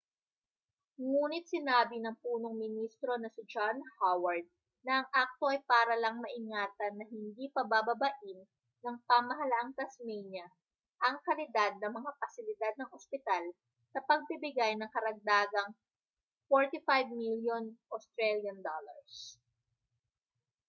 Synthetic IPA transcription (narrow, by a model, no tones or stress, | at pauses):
ŋuːnɪt̪̚sɪnaːbɪnɐŋpuːno̞ŋmɪnist̪ɾo̞nɐsɪd͡ʒanhawɐɹd̪̚ | nɐʔɐŋʔak̚t̪o̞ɐjpaːɾɐlɐŋmɐʔɪŋaːt̪ɐnːɐɦɪnd̪ipɐbabɐbɐʔɪnː | ɐŋpɐmɐɦɐlaʔɐŋt̪ɐsmɛjnɐ | ʔɐŋkɐlɪd̪ad̪̚nɐmɐŋapɐsɪlɪd̪ad̪̚nɐŋʔospɪt̪al | sɐpɐɡ̚bɪbɪɡajnɐŋkɐɾɐɡ̚d̪aːɡɐŋ | foɹt̪ifajvmiljonʔost̪ɾɛljɐnd̪olɐ̰ɹs